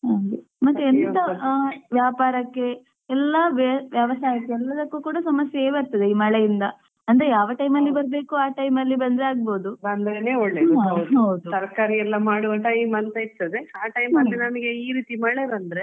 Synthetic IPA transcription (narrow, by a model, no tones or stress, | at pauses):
ɦɐɡemɐt̪ːeent̪ɐʋjaːpaːɾɐkːe̞ | ɛlːɐʋʋjaːʋɐsaːɐkːeɛlːɐd̪ɐkːukuːɽɐsɐmɐsjɐeːʋeɾt̪ːɐd̪eiːmɐɭejind̪ɐ | ɐnd̪ɐɾejaːʋɐʈɐjmɐlːibɐɾɐbe̞ːkuaːʈɐjmɐlːibɐnd̪ɾeaːɡ̚bo̞ːd̪uɐnd̪ɾeneːoɭːeːɐɦɐwd̪usɐɾkaːɾiɛlːɐmaːɽuɐʈɐimɐnt̪ɐiɾt̪ɐd̪e̞aːʈɐjmɐlːinɐmɐɡeiːɾiːt̪imɐɭeɾɐnd̪ɐɾe